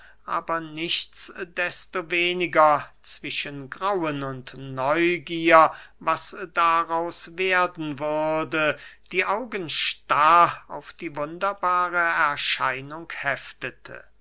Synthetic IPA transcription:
ʔa̰ːbɐnɪçtt͡sd̥ɛstoveːnɪɡɐt͡sv̥ɪʃənɡʁawənʊntnɔʏɡiːɐvasd̥aʁaʊsveːɐdn̩vʏɐdəd̥iːʔaʊɡənʃtaːa̰ʊfd̥iːvʊndɐbaːʁəɛɐʃaɪnʊŋkhɛftətʰə̰

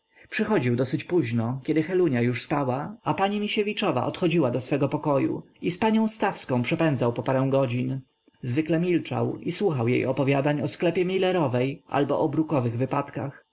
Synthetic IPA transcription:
pʂɘxɔd͡ʑiwd̪ɔsɘt͡ɕpuʑnɔkʲɛd̪ɘxɛluɲajuʂspawaapaɲimʲiɕevʲit͡ʂɔva̰ʔɔt̪xɔd͡ʑiwad̪ɔsfɛɡɔpɔkɔjṵ | ispaɲɔ̃w̃st̪afskɔ̃w̃pʂɛpɛnd̪zawpɔpaɾɛ̃w̃ɡɔd͡ʑin | zvɘklɛmʲilt͡ʂa̰wiswuxawjḛjɔpɔvʲjad̪aɲɔsklɛpʲjɛmʲilɛɾɔvɛjʔa̰lbɔ̰ʔɔbɾukɔvɘɣvɘpat̪ka̰x

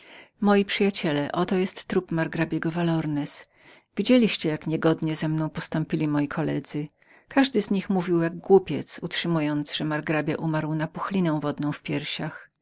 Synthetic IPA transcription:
mɔjipʂɘjat͡ɕɛlɛʔɔt̪ɔjɛst̪ːɾupmaɾɡɾabʲjɛɡɔvalɔɾnɛs | vʲid͡ʑelʲiɕt͡ɕɛjakɲɛɡɔd̪ɲɛzɛmnɔ̃w̃pɔst̪ɔ̃mpʲilʲimɔjikʰɔlɛd̪zɘ | kʰaʐd̪ɘzɲixmuvʲiwjaɡɡwupʲjɛt̪sutʂɘmujɔnt̪zʐ̥ɛmaɾɡɾabʲjaʔumaɾwnapuxlʲinɛw̃vɔd̪nɔ̃w̃fpʲjɛɾɕax

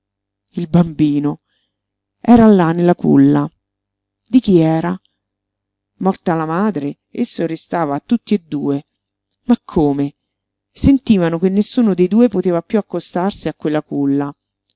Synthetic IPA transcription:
ilbambiːno | ɛːɾalːanːelːakṵlːa | d̪ik̟iɛːɾa | mɔrt̪alamaːd̪ɾe | esːoɾest̪aːvaːt̪ːut̪ːied̪ːuːe | makʰːoːme | sent̪iːvanokenːesːuːnod̪ejd̪uːepot̪eːvapjuakːost̪arsiakːwelːakulːa

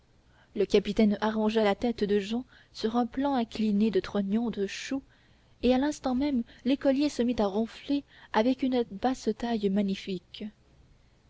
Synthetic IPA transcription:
ləkapit̪ɛnaʁɔ̃ʒalat̪ɛt̪d̪əʒɑ̃ | syʁɛ̃plɑ̃ɛ̃klined̪ət̪χɔnjɔ̃d̪əʃu | ealɛ̃st̪ɑ̃mɛmlekɔljesəmit̪aʁɔ̃fleavɛkynəbast̪ajmaɲifik

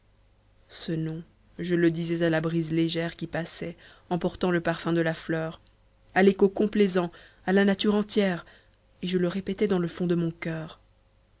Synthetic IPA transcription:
sənɔ̃ | ʒələd̪izɛzalabʁizleʒɛʁkʲipasɛ | ɑ̃pɔʁt̪ɑ̃ləpaʁfɛ̃d̪əlaflœːʁ | alekokɔ̃plezɑ̃ | alanat̪yʁɑ̃t̪jɛʁ | eʒələʁepɛt̪ɛd̪ɑ̃ləfɔ̃d̪əmɔ̃kœːʁ

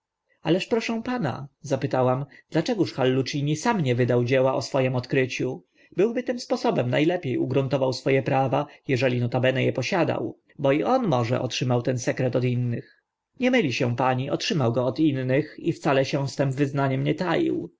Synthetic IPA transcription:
alɛʂpɾɔʂɛ̃w̃pana̰zapɘt̪awamd̪lat͡ʂɛɡuʂxalːut͡ʂiɲisamɲɛvɘd̪awd͡ʑɛwaʔɔsfɔjɛmɔt̪kɾɘt͡ɕu | bɘwbɘt̪ɘmspɔsɔbɛmnajlɛpʲjejuɡɾunt̪ɔvawsfɔjɛpɾavajɛʐɛlʲinɔt̪abɛnɛjɛpɔɕad̪a̰w | bɔiʔɔnmɔʐɛ̰ʔɔ̰tʂɘmawt̪ɛnsɛkɾɛt̪ɔd̪inːɘx | ɲɛmɘlʲiɕɛ̃paɲiʔɔtʂɘmawɡɔːt̪inːɘxift̪salɛɕɛ̃st̪ɛmvɘznaɲɛmɲɛt̪ajḭw

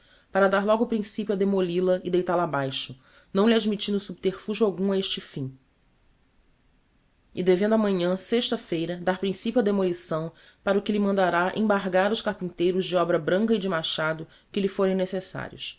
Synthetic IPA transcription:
paɾɐd̪aɾlɔɡʊpɾĩsipjuad̪emolilɐɪd̪ejt̪aɾlɐːbajʃʊ | nɐ̃w̃liad͡ʒmit͡ʃĩnd̪ʊsubit̪eɾfuʒʊawɡũaeʃt͡ʃɪfĩ | ɪd̪evẽnd̪ʊɐmɐ̃ɲɐ̃seʃt̪ɐfejɾɐd̪aɾpɾĩsipjuɐd̪emolisɐ̃w̃ | paɾɐʊkɪlɪmɐ̃nd̪aɾaʔḛ̃baɾɡaɾʊʃkahpĩnt̪ejɾʊzd͡ʒɪɔbɾɐbɾɐ̃ŋkɐid͡ʒɪmaʃad̪ʊ | kɪlifoɾẽj̃nesesa̰ɾiʊ̰s

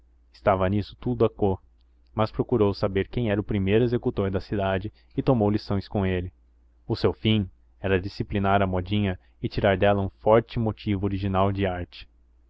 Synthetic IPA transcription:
ɪ̥st̪avɐnisʊ̥t̪ud̪ʊɐkoɾ | mɐspɾokuɾowsabeɾkẽj̃ɛɾɐʊpɾimejɾʊezekut̪oɾd̪ɐsid̪ad͡ʒɪ | ɪt̪omowlisõj̃skõelɪ | ʊsewfĩ | ɛɾɐd͡ʒisiplinaɾɐmɔd͡ʒĩɲɐ | ɪt͡ʃiɾaɾd̪ɛlɐũfɔɾt͡ʃɪmot͡ʃivʊoɾiʒinawd͡ʒɪaɾt͡ʃɪ̥

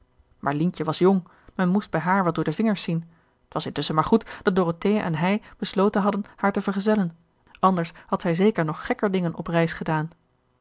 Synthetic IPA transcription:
mʔa̰ːɹlincəʋɑsjʊŋ | mɛnmusd̚bɛjɦaːɹʋɛlˠdʊːɹdəvɪŋəɹsin | ətʋɑsɪntɵsəmaːɹχutd̥ɑt̚doroteɛ̰nɦɛjb̥əslowtənɦɑdənhaːɹtəvəɹχəzɛlən | ʔɑndəɹshɑtsɛjzejkəɹnɔχːɛkəɹdɪŋənʔɔprɛjsχədaːn

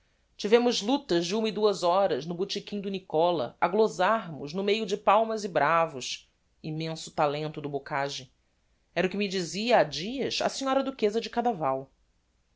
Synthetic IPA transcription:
t͡ʃivẽmʊzlut̪ɐʒd͡ʒɪũmɐid̪uɐzɔɾɐznʊbut͡ʃikʲĩɲ̃d̪ʊnikɔlɐ̰ɐɡlozaɾmʊznʊmejʊd͡ʒɪpawmɐzɪbɾʔavʊs | imẽsʊ̥t̪alẽnt̪ʊd̪ʊbokaʒɪ | ɛɾʊkɪmid͡ʒiziɐːd͡ʒiɐʃɐ̰sĩɲɔɾɐd̪ukezɐd͡ʒɪkad̪avaw

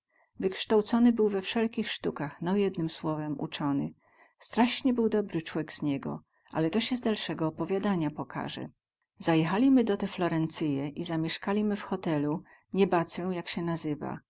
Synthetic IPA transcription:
vɘkʂt̪awt̪sɔnɘbɘwvɛfʂɛlkʲixʂt̪ukaxnɔjɛd̪nɘmswɔvɛmṵt͡ʂɔnɘ̰ | st̪ɾaɕɲɛbɘwd̪ɔbɾɘt͡ʂwɛɡz̥ɲɛɡɔ̰ | ʔa̰lɛt̪ɔɕɛzd̪alʂɛɡɔːpɔvʲjad̪aɲapɔkʰa̰ʐɛ̰ | z̥ajɛxalʲimɘd̪ɔt̪ɛflɔɾɛnt̪sɘjɛʔizamʲjɛʂkalʲimɘfxɔt̪ɛlu | ɲɛbat̪sɛw̃jakɕɛnazɘva̰

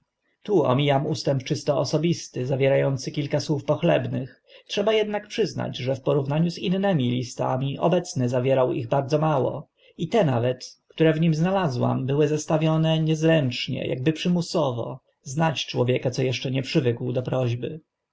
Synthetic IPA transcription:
t̪uɔ̰mʲijamust̪ɛmpt͡ʂɘst̪ɔɔsɔbʲist̪ɘzavʲjɛɾajɔnt̪sɘkʲilkaswufpɔxlɛbnɘx | tʂɛbajɛd̪nakpʂɘzna̰d͡ʑʐɛfpɔɾuvnaɲuzinːɛmʲilʲist̪a̰mʲiʔɔ̰bɛt̪snɘzavʲjɛɾawiɣbaɾd̪zɔmawɔ̰ | it̪ɛnavɛt̪kt̪uɾɛvɲimznalazwa̰mbɘwɘzast̪avʲjɔnɛɲɛzɾɛnt͡ʂɲɛ̰jʔa̰ɡ̚bɘpʂɘmusɔvɔ̰ | znat͡ɕt͡ʂwɔvʲjɛkat̪sɔjɛʂt͡ʂɛɲɛpʂɘvɘkwd̪ɔpɾɔʑbɘ

